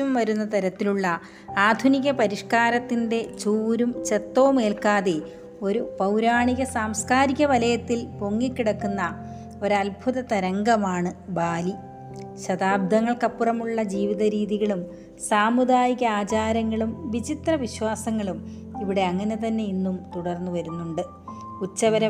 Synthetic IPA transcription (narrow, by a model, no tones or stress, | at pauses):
umʋɐɾunːɐt̪ɐɾɐt̪ːiluɭːɐ | aːd̪ʱuniɣɐpɐɾiʂkaːɾɐt̪ːinde̞t͡ɕuːɾumt͡ɕet̪ːoːme̞ːlkaːðe̞ | o̞ɾupɐwɾaːɳiɣɐsaːmskaːɾiɣɐʋɐlɐjɐt̪ːilpo̞ŋːikːiɽɐkːunːɐ | o̞ɾɐlbʱuðɐt̪ɐɾɐŋɡɐmaːɳɨbaːli | ɕɐðaːb̚d̪ʱɐŋːɐɭkɐpːurɐmuɭːɐd͡ʑiːʋiðɐɾiːðiɣɐɭum | saːmud̪aːjiɣɐaːt͡ɕaːɾɐŋːɐɭumʋit͡ɕit̪rɐʋiɕwaːsɐŋːɐɭum | iʋiɽe̞ɐŋːɐne̞t̪ɐnːe̞inːumt̪uɽɐrnːuʋɐɾunːuɳɖɨ | ut͡ɕːɐʋɐɾɐ